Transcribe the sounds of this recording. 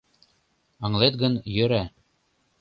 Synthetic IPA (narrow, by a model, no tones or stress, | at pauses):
ɑ̆ŋlˠet̪ɡɤnjɵ̆ɾæ